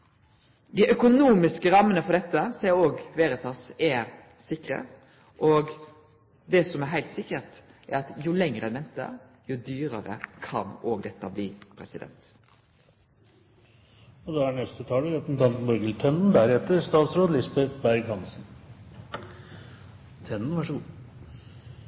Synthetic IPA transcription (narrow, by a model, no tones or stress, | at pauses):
d̪ɪʔœkʊnuːmɪskəɾɑmːənəfɔɖ̪ɛt̪ːəseːɾoːɡʋeːɾət̪ʰɑːsɛɾ | sɪkɾə̰ | ʔoːɡ | d̪ɛsɔmæɦæɪlt̪sɪkət̪ʔæɾɑt̪jʊlɛŋʁəɛnmɛnt̪ə̰ɾjʊd̪yːɾəɾə̰kʰɑ̰noːɡd̪ɛt̪ːəbliːpʰɾɛsɪd̪ɛ̰nt̪ | ɔd̪ɑæɳɛst̪ət̪ʰɑːləɾɛpn̩t̪ʰɑnt̪n̩bɔɾɡəlt̪ʰɛnnd̪æɾɛt̪ːəɾst̪ɑːt̪sɾoːd̪əlɪsbɛt̪bæɾɡhɑnsn̩ | t̪ʰɛnːn̩ʋɑʂəɡuː